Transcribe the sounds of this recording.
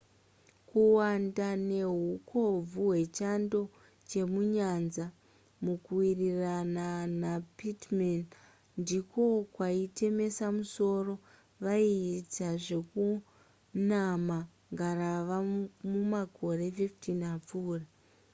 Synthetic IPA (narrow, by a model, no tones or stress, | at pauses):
kuwandane̞ɦukʰo̞b͡vuɦwe̞t͡ʃando̞ | t͡ʃe̞muɲanza | mukuwirirananapitman | ndiko̞kwaite̞me̞samuso̞ro̞ | ʋaiːt͡saʐe̞ku | nama | ŋɡaraʋamumako̞re̞fiftinap͡fuːra